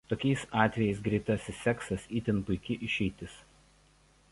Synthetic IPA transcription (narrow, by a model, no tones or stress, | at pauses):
t̪oːkʲɛɪsɑːt̪ʲʋʲɛjɛɪsɡɾʲiɪt̪ɐsʲɪsːʲɛksɐsiːt̪ʲɪnpʊɪkʲɪʔɪʃʲɛɪt̪ʲɪs